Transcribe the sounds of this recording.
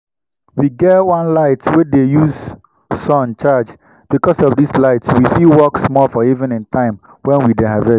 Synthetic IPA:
wiɡɛtwãnlaɪtwedejuz | sɔ̃nt͡ʃad͡ʒ | b̥ikɔsɔvdislaɪtwifilwɔksmɔfɔivɛ̃nĩntʰãɪ̃m | wɛ̃nwidehavɛ

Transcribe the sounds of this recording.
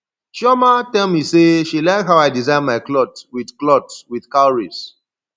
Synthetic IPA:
ʃɔmatɛlmiseʃilaɪkɦaʊaɪdizãɪ̃nmaɪklɔtwidklɔtwið̥kaʊɹis

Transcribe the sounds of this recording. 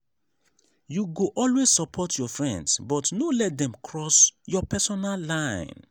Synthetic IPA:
juɡoʔɔlwez̥sɔpʰɔtʰjɔfɹɛ̃ndsbɔtnolɛt̚dɛ̃mkʰɹɔsjɔpʰɛsɔnalːãɪ̃n

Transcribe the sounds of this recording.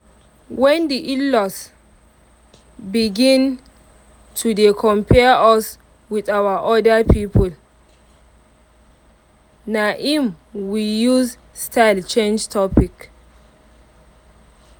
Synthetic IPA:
wɛ̃ndiʔilɔs | biɡĩn | tʰudekʰɔ̃mpʰɛʔɔs | widawaʔɔdəpʰipʰɔl | naʔĩm | wijuz | stʰaɪlt͡ʃẽnd͡ʒtʰɔpik

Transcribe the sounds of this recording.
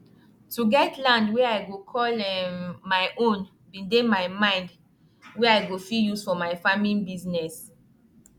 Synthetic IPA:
tuɡɛtlãndwɛajɡokʰɔlɛmajʔõn | bĩndemajmãɪ̃nd | wɛajɡofijusfɔmajfamĩnbiznɛs

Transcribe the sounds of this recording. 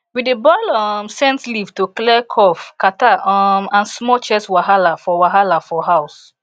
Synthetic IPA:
widebɔɪlɔmsɛ̃ntlivtoklɛkʰɔfkataɔmãnsmɔt͡ʃɛswaɦalafɔwaɦalafɔɦaʊs

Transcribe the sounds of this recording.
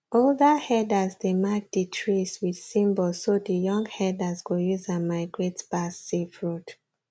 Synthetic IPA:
oldahɛdazdemak̚d̥itʰɹiswid̥sĩmbɔlsodəjɔ̃ŋɡhɛdazɡojuzãmaɪɡɹetb̥asifɹut

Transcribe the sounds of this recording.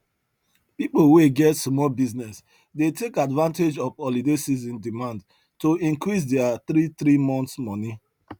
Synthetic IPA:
pipoweɡɛtsmɔlbiznɛs | detekadvãnted͡ʒɔfɔlidesizĩndimãnd | toĩŋkɾis̬deaθɾiθɾimɔ̃nt̪smɔni

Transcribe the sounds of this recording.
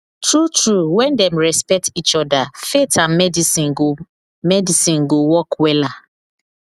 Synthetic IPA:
tʰɹutɹuwɛ̃ndɛ̃mɹɛspɛk̚tit͡ʃɔdafetãnmɛdisĩn | mɛdisĩnɡowɔkwɛla

